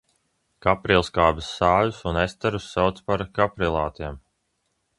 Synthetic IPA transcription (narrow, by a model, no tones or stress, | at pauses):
kapɾilˠskaːbisːaːjusunest̪ɛɾusːawt̪spaɾkapɾilˠaːt̪iɛm